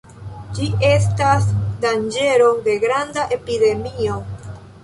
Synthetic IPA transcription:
d͡ʒie̞s̬tasdand͡ʒe̞ɾo̞de̞ɡɾandaʔe̞pide̞mio̞

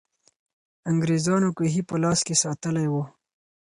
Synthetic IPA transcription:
aŋɡɾezɑnokeɦipəlɑskesɑt̪əlajwo

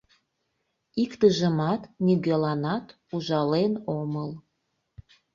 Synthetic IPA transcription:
ikt̪əʒəmɑt̪niɣelɑnɑt̪ | uʒɑlenoməl

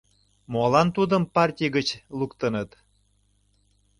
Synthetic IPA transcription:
molɑnt̪ud̪əmpɑrtʲijɡət͡ɕlukt̪ənət̪

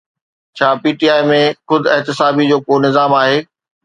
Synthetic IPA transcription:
t͡ɕʰaːpiːʈiːaːɪmẽxʊd̪ʱɪɦt̪ɪsaːbid͡ʑoːkoːnɪzaːmaːɦeː

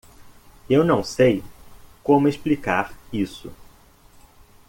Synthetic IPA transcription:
ewnɐ̃w̃sejkõmʊeʃplikaɾisʊ̰

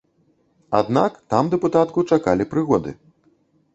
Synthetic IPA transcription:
a̰d̪nakt̪amd̪ɛput̪at̪kut͡ʂakalʲipɾɨɣɔd̪ɨ̰

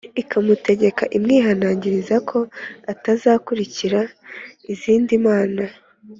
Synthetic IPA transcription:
ikamute̞ɟe̞kaʔimŋiːɦanaːɲɟiɾizakʰo̞atazaːkuɾiciɾaiziːndimaːna

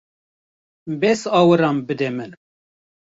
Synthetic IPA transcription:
bɛsɑːwɨɾɑmbɨd̪ɛmɨn

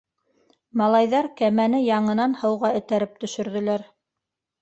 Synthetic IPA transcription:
mɑlˠɑjðɑɾkæmænɘjɑɴɤ̆nɑnhɤ̆wʁɑɵ̆t̪æɾɘp̚t̪ɵ̆ʃɵ̆ɾðɵ̆læɾ

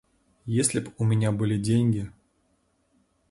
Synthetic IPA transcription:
jesʲlʲɪpʲumʲɪnʲabɨlʲidʲenʲɡʲi

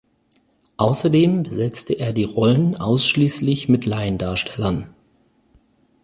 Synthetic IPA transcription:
ʔaʊsɐdeːmbəzɛt͡stəʔeːɐdiːʁɔlənʔaʊsʃliːslɪçmɪtlaɪəndaːɐʃtʰɛlɐn

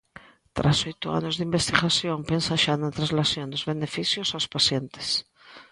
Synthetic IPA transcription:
t̪ɾʔasojt̪ʊa̰nozðimbest̪iɣasjompensaʃanat̪ɾãzlasjond̪ozβenefiθjosawspasjent̪e̥s

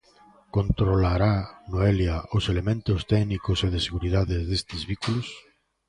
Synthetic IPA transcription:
kont̪ɾolaɾanoeljaoselemẽnt̪ʊst̪ɛɣnikoseðɪseɣuɾiðaðɪzðest̪ɪzβikulos

